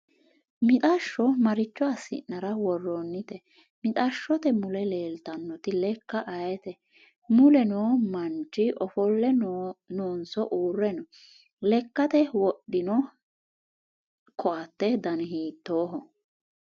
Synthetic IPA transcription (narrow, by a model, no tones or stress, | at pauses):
mɪt̪ʼɐʃːɔmɐɾɪt͡ʃːɔɐsːɪ̰nːɐɾɐwɔrːɔnːɪt̪ɛ | mɪt̪ʼaʃːɔt̪ɛmʊlɛle̞ːlt̪ɐnːɔt̪ɪlɛkːɐʔɐjɛt̪ɛ | mʊlɛnoːmɐnt͡ʃːɪʔɔfɔlːɛnoːnsɔʔuːrːɛnɔ | lɛkːɐt̪ɛwɔɗɪnɔ | kʰɔʔɐt̪ːɛd̪ɐnɪɦiːt̪ːoːɦɔ